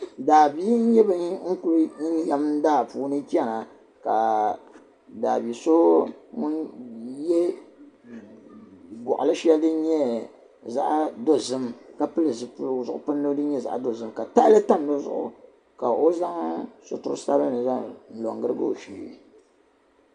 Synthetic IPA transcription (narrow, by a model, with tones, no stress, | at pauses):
daː˨bi˦n̩˦jɛ˦bɨ˦ŋ̩˦ku˦ɾja˨m˦n˦daː˦˨puː˨˦nɨ˦t͡ʃi˦ɛ˦na˨ | ka˨ | daː˨bi˨so˦mʊ˦njɛ˦ | ɡɔ̰˨ʔʊ̰˨lɨ˦ʃɛ˦ldɨ˦ɲɛ˦ | za̰˦ʔdo˦zɨ˦mka˨pɨ˦lɨ˨zɨ˨pu˦lzʊ˨ʔʊ̰˨pɨ˦nː˦ɨ˦dɨ˦ɲɛ˦za̰˨ʔdo˨zɨ˦mka˨ta˦lɨ˦ta˦ndɨ˦zʊ̰˨ʔʊ̰˨ | ka˨ʔo˦za˦ŋsʊ̰˨tʊ̰˨ɾsa˦bɨ˦nɨ˨za˦ŋn̩˨lo̰˨ŋɡɨ˦ɾɨ˦ɡɨ̰˦o̰˨ʃḭ˨